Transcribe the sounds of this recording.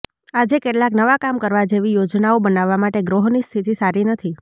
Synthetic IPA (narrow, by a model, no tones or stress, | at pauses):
ad͡ʒekeʈlaknəʋakamkəɾʋad͡ʒeʋijod͡ʒnaobənaʋːamaʈeɡɾoɦnist̪ʰit̪isaɾinət̪ʰi